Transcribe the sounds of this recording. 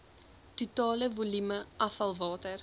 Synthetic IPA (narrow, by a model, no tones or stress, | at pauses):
tutɑːləvulyməʔɐfɐlˠvɑːtər